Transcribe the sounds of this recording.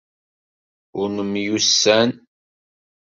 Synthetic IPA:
ʊɾnəmjusːæn

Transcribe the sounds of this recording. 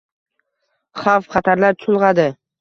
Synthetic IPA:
χɑfχɑt̪ʰaɾlaɾt͡ʃʰʊlˠʁɑd̪ɪ

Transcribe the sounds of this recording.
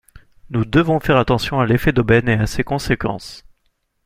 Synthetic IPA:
nud̪əvɔ̃fɛʁat̪ɑ̃sjɔ̃alefɛd̪obɛneasekɔ̃sekɑ̰̃s

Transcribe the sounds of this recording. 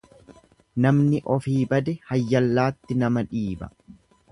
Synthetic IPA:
nɐmnɪʔɔfiːbɐd̪ɛhɐjːɐlːaːt̪ːɪnɐmɐᶑiːbɐ̰

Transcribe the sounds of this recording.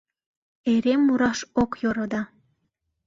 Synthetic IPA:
eɾemːuɾɑʃokjoɾod̪ɑ

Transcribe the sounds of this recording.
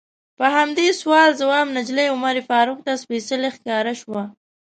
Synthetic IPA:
pəɦamd̪eswɑlzawɑːmnad͡ʒlejʊmaɾifɑːɾʊk̚t̪aspesəlexkɑːɾaʃwa

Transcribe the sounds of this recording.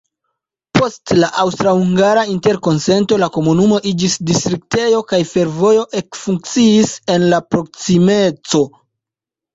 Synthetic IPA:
po̞stlaʔawstɾahuŋɡaɾainte̞ɾko̞nse̞nto̞lako̞munumo̞ʔid͡ʒisdistɾik̚te̞jo̞kajfe̞ɾvo̞jo̞ʔekfuŋk̚t͡siise̞nlapɾo̞k̚sime̞t͡so̞

